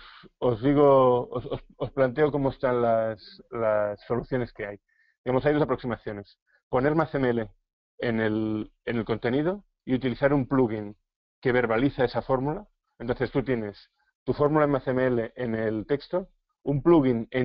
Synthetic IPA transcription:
sozðiɣ̞oosososplant̪̬eokomoest̪anlaslasːo̞luθjo̞ne̞ske̞aj | d̪iɣamosajðoapɾo̞ksimaθjo̞ne̞s | po̞ne̞ɾmaθemeele | enelene̞lko̞nt̪e̞nið̞o | iut̪iliθaɾumpluɣin | ke̞β̞e̞ɾβaliθae̞safo̞ɾmula | ent̪o̞nθe̞st̪ut̪je̞ne̞s | t̪ufo̞ɾmulaemaθemeele̞ʔenelt̪ekst̪o̞ | umpluɣ̞ine

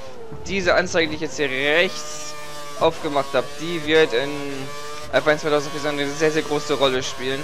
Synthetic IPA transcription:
d̥iːzəʔant͡saɪɡədiːɪçjɛt͡sthiːɐʁɛçt͡s | ʔaʊfɡ̥əmaχthaːbəd̥iːvɪɐtɪn | ʔa̰faŋɪnt͡sv̥aɪtʰaʊzntfiɐt͡sandʁnəzeːɐzeːɐɡʁoːsəʁɔləʃpiːlən

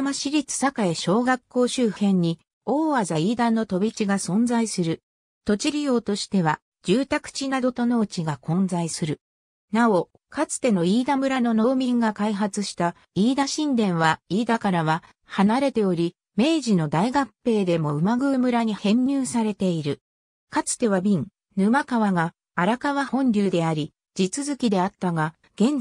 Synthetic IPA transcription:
maɕiɾʲit͡sɨ̥sakaeɕo̞ːɡakːo̞ːɕɨːhẽ̞ɲ̟ːi | o̞ːazaiːd̪ãnːo̞t̪o̞bʲit͡ɕiɡasõ̞nd͡zaisɨɾɯ̟ | t̪o̞t͡ɕiɾʲijo̞ːt̪o̞ɕi̥t̪e̞β̞a | d͡ʑɨːt̪akɯ̟̥t͡ɕinad̪o̞t̪o̞no̞ɯt͡ɕiɡakõ̞nd͡zaisɨɾɯ̟ | nao̞ | kat͡sɨ̥t̪e̞no̞iːd̪amɯ̟ɾano̞no̞ːmʲĩŋɡakaiɦat͡sɨɕi̥t̪a | iːd̪aɕĩnd̪ẽ̞ɰ̃βaiːd̪akaɾaβa | hanaɾe̞t̪e̞o̞ɾʲi | me̞ːʑino̞d̪aiɡapːe̞ːd̪e̞mo̞ɯ̟maɡɯ̟ːmɯ̟ɾaɲ̟ihẽ̞ɲːʲɨːsaɾe̞t̪e̞iɾɯ̟ | kat͡sɨ̥t̪e̞βabʲĩŋ | nɯ̟makaβaɡaː | ɾakaβahõ̞ɲɾʲɨɯːd̪e̞aɾʲi | d͡ʑit͡sɨzɨkʲid̪e̞at̪ːaɡa | ɡ̥ẽ̞n

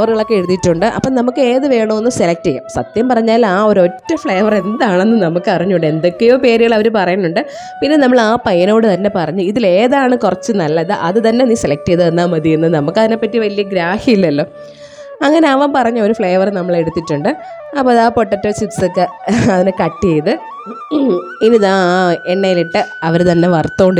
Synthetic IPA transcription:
ʋɐrɣɐɭo̞kːeeɽut̪ːitːuɳɖɨʔɐ̰pːoːnɐmukːɨe̞ːðɨʋe̞ːɳɐenːɨmselɐk̚tijɐ̰msɐt̪jɐmpɐrɐɲːaːlaːo̞ɾuo̞tːɐfɭɐjʋɐre̞nd̪aːɳenːɨnɐmukːɨɐrɐɲːuɳɖe̞nd̪okːejoːpe̞ːɾiɣɐɭɐʋɐɾupɐrɐjnːuɳɖɨ | pinːe̞nɐmːɐɭaːpɐjɐno̞ːɽɨt̪ɐnːe̞pɐrɐɲːuiðile̞ːðaːɳɨkurɐt͡ɕːɨnɐlːɐðɨʔɐðɨt̪ɐnːe̞niːse̞lɐk̚tːijɐðɨenːaːmɐðijunːɐnɐmukːɐðinepːɐtːiʋɐlijɐɡɾaːhijilːɐlːo̞ː | ɐŋːɐne̞ɐʋɐːmpɐrɐɲːuoɾufɭɐjɐʋɐrnɐmːɐɭe̞ɽut̪ːitːuɳɖɨ | ɐpːoɐðaːpoʈːɐʈːoːt͡ɕitsokːeɐðinekɐʈːiejðɨ | iniðaːeɳːɐjiliʈːɨɐʋɐɾt̪ɐnːe̞ʋɐrt̪ːo̞ːɳɖɨ

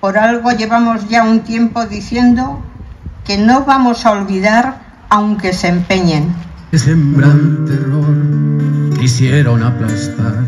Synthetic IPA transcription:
po̞ɾalɣo̞ʎe̞βamo̞zʝaunt̪je̞mpoðiθje̞nd̪oke̞no̞βamo̞saolβiðaɾ | awŋke̞se̞mpe̞ɲeŋ | esembɾant̪eloɾ | isjeɾo̞naplast̪aɾ

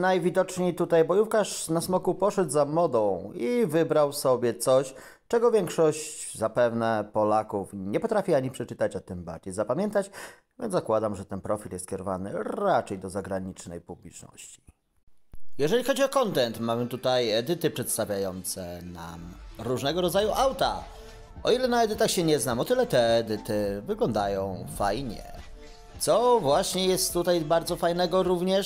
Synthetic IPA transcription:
najvʲid̪ɔt͡ʂɲejt̪ut̪ajbɔjufkaʂnasmɔkupɔʂɛd̪zamɔd̪ɔ̃w̃ivɘbɾawsɔbʲjɛt̪sɔɕ | t͡ʂɛɡɔvʲjɛŋkʂɔɕt͡ɕzapɛvnɛpɔlakufɲɛpɔt̪ɾafʲiaɲipʂɛt͡ʂɘt̪at͡ɕɔt̪ɘmba̰ɾd͡ʑejzapamʲjɛnt̪at͡ɕ | vʲjɛnzzakwad̪amʐɛt̪ɛnpɾɔfʲiljɛst̪̚kʲɛɾɔvanɘɾat͡ʂɛjd̪ɔzaɡɾaɲit͡ʂnɛjpublʲit͡ʂnɔ̰ɕt͡ɕi̥ | jɛʐɛlʲixɔd͡ʑiɔkɔnt̪ɛnt̪mamɘt̪ut̪ajɛd̪ɘt̪ɘpʂɛt̪st̪avʲjajɔnt̪sɛna̰mɾuʐnɛɡɔɾɔd̪zajuʔawt̪a | ɔilɛnaɛd̪ɘt̪axɕɛɲɛznamɔt̪ɘlɛt̪ɛːd̪ɘt̪ɘvɘɡlɔnd̪ajɔ̃w̃fajɲɛ̰ | t̪sɔvwaɕɲɛjɛst̪ːut̪ajbaɾd̪zɔfajnɛɡɔɾuvɲɛ

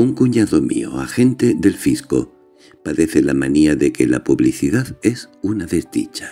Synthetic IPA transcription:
uŋkuɲaðo̞mḭo̰axe̞nt̪eðelfisko̞̰ | paðe̞θelamaniaðe̞kela̰puβliθiðaðe̞sunaðe̞zd̪ḭt͡ʃḁ

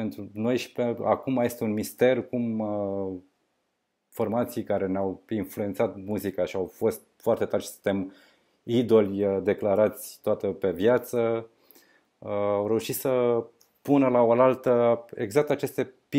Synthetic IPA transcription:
pent̪ɾuno̞jʃi̥pea̰kumaje̞st̪eunmist̪e̞rkumə | fo̞rmat̪sijkaɾe̞neawinflue̞nt̪sat̪muzikaʃiawfo̞st̪foart̪e̞t̪arʃi̥sɨ̥nt̪em | id̪o̞lʲd̪e̞klaɾat̪sʲt̪oat̪əpe̞vjat̪sə | awɾe̞uʃit̪sə | punəlaolalt̪əe̞̰ɡzak̚t̪at͡ʃe̞st̪e̞pi

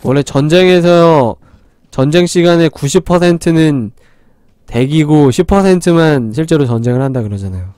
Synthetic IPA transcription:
wʌɭːe̞t͡ɕʌnd͡ʑe̞ŋe̞sʰʌ | t͡ɕʌnd͡ʑe̞ŋɕ͈iɡane̞kuɕʰipʰʌsʰe̞ntʰɯnɯn | te̞ɡiɡoɕʰipʰʌsʰentʰɯmanɕʰiɭt͡ɕ͈e̞ɾot͡ɕʌnd͡ʑe̞ŋɯɭhandakɯɾʌd͡ʑanajo

